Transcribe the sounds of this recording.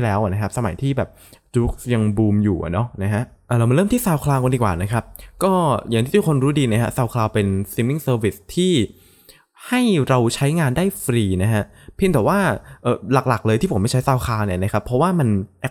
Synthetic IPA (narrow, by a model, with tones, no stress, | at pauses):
lɛː˦˥wa˨˩na˦˥kʰa˦˥p̚sa˧ma˨˩˦jt̪ʰiː˥˩bɛː˨˩p̚t͡ɕuː˦˥k̚ja˧ŋbuː˧mjuː˨˩ʔa̰˨˩nɔ˦˥na˦˥kʰa˦˥ʔʔaː˨˩ɾa˧wma˧lɤː˥˩nt̪iː˥˩saː˧wkʰlaː˧wko˧ndi˨˩kwa̰ː˨˩na˦˥kʰa˦˥p̚kɔː˥˩ja˨˩ŋt̪iː˥˩u˧kʰo˧nɾuː˦˥diː˧na˦˥kʰa̰˦˥saː˧wkʰlaː˧wpe˧nsi˧˦mi˥˩ŋsɤː˧wi˨˩st̪ʰiː˥˩ | ha˥˩jɾa˧wt͡ɕʰa˦˥jŋaː˧ndaː˥˩jfɾiː˧na˦˥kʰa˦˥ʔ | pʰi˧˩nt̪ɛ˨˩waː˥˩ʔɤː˨˩la˨˩k̚la˨˩k̚lɤː˧j̪ʰiː˥˩pʰo˩˦ma˥˩t͡ɕʰa˦˥jsaː˧wkʰaː˧wni˧˩na˦˥kʰa˦˥pʰːɾɔ˦˥waː˥˩ma˧nʔ